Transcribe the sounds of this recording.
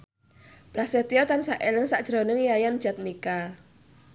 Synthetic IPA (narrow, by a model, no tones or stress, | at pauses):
pɾaset̪iɔt̪ansaʔeləŋsaʔd̥ʒ̥ɾonəŋjajand̥ʒ̥a̤t̪̚nika